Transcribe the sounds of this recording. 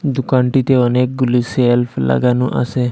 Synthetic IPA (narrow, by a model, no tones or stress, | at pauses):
d̪ukaɳʈit̪eənek̚ɡuliselpʰla̰ɡanũʔa̰se